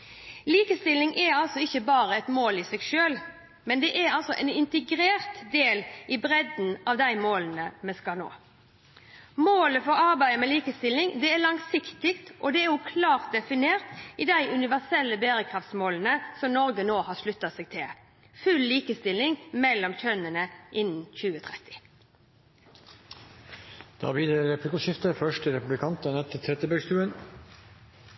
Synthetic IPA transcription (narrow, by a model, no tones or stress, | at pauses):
liːkəst̪ɪlɪŋʔɛɑlsɔɪçːəbɑːʁəɛt̪moːlɪsɛɡʃøːl | mɛnd̪ɛʔɛɾɑlsɔʔɛ̰nɪnt̪əɡɾeːʁt̪d̪eːlʔɪbʁɛd̪n̩ɑʋd̪æɪmoːlən̩əmɛskɑno̰ː | moːləfɔɾɑʁbæɪəmɛliːkəst̪ɪlɪŋd̪ɛɛɾlɑŋsɪkt̪ɪkt̪ʔɔd̪ɛɛɾjʊkʰlɑːʁt̪̚d̪ɛfɪneːʁt̪ɪd̪æɪʔʉnɪʋæʁsɛlːəbeːʁəkʰʁɑft̪smoːlənəsɔmnɔʁɡənoːhɑːʂlʉt̪ːɑsɛːɡ̥̚t̪ʰɪl | fʉlːiːkəst̪ɪlːɪŋmɛlːɔmçœnənəʔɪnːn̩çʉːət̪ʰʁɛt̪ɪ̥ | d̪̥ɑ̰ːbiːd̪ɛɾɛplɪkuːʃɪft̪əfœʂʈəɾɛpʉblɪkʰɑnt̪ənɛt̪ʰːɪlt̪ʰɾɛt̪ːəbœɡst̪ʉːən